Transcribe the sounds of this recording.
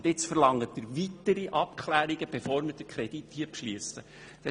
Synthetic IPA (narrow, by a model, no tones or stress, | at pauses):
dɪt͡sfəɾlɑŋːətːəɾvʋit̪əɾiʔɑp̚kʰlæːɾiɡəb̥efoːɾməɾd̥əkʰɾɛd̥ithiəpʃliəsə | d̥ɛ